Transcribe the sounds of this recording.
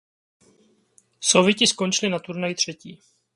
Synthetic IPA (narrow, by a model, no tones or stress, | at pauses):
sovɪcɪsko̞nt͡ʃɪlɪnat̪uɾnajt̪r̝̥ɛciː